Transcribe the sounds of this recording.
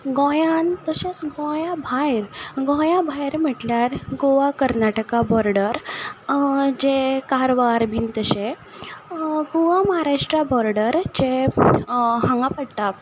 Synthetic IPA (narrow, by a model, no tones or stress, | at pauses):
ɡɔ̃jãnt̪əɕasɡɔ̃jãbʱajɾɡɔ̃jãbʱajɾm̤əʈljaɾɡoʋakəɾnaʈəkabɔɾɖəɾ | d͡ʑekaɾʋaɾbint̪əɕe | ɡoʋaməɦaɾaʂʈɾabɔɾɖəɾd͡ʑe | ɦãŋɡapəɽt̪a